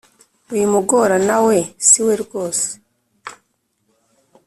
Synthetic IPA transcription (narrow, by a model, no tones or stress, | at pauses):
ujimuɡo̞ɾanawe̞siweɾɡoːse̥